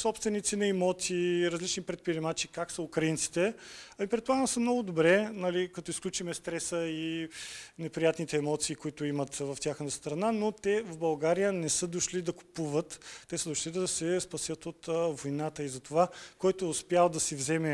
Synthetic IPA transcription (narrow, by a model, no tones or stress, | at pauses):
sɔpst̪vɛnit̪sinɐɛmɔt̪siːɾɐzlit͡ʃnipɾɛt̪̚pɾiɾimat͡ʃikaksəukɾɐint̪si̥t̪ɛɐmipɾɛt̪̚plˠaɡənsəmnɔɡʊd̪obɾɛnɐlikɐt̪ɔisklʲut͡ʃimɛst̪ɾɛsəi | nɛpɾijat̪nit̪ɛːmɔt̪siːkoit̪ʊimət̪vɐftʲjaxnət̪əst̪ɾɐnanot̪ɛvvbɐlˠɡaɾijənɛsɤd̪oʃlid̪ɐko̥puvət̪ːɛsəd̪oʃlid̪ɐsɛspɐsjət̪ot̪vojnat̪əizɐt̪ovakɔjt̪oːspjalˠd̪ɐsivzɛmɛ